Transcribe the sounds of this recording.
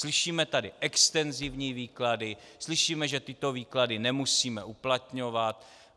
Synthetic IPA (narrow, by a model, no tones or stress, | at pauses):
slɪʃiːmɛt̪adɪʔɛkst̪ɛnzɪvɲiːviːkladɪslɪʃiːmɛʒɛt̪ɪt̪o̞viːkladɪnɛmusiːmɛuplat̪ɲo̞vat̪̚